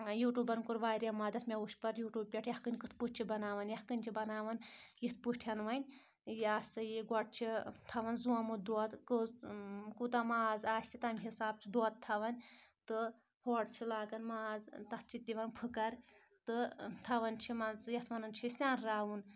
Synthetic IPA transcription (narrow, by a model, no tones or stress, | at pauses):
juːʈuːbɐɾnkuɾʋaːɾjamɐd̪ɐt̪ʰmʲauʃpɐɾjuːʈuːb̚pʲɛʈʰjɐhkɨnʲkɨt̪ʰpuʈ̚ʲt͡ʃʰibɐnaːʋɐnjɐhkɨnʲt͡ʃʰibɐnaːʋɐnjit̪̚ʰpuʃʈʰʲɐnʋɐnʲ | jaːsʲsɨjiɡɔʈ̚t͡ʃʰit̪ʰɐʋɐnzuɐmud̪oːt̪kɨzkut̪amaːzaːsʲsʲʰit̪ɐmʲɦisaːb̚t͡ʃʰid̪oːt̪ʰɐʋɐnʲt̪ɨ | hoːɖt͡ʃʰilaːɡɐnmaːzt̪ɐt̪̚t͡ʃʰit̪̚ʲiʋɐnpʰɨkɐɾ | t̪ɨt̪ʰɐʋɐnt͡ʃʰimazjɐt̪ʰʋɐnɨnt͡ʃʰisʲaːnɾaːwun